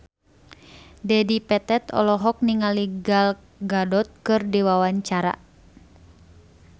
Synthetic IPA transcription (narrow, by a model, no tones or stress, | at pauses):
dɛdipɛt̪ɛt̪ɔ̰lɔɦɔk̚niŋaliɡal | ɡadɔt̪̚kɨrdiwawaɲt͡ʃaɾa̰